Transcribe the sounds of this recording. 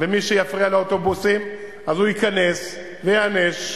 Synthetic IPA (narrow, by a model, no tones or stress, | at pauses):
vemiʃejafʁialeot̪o̞busim | ʔazujikanes | vejaaneʃ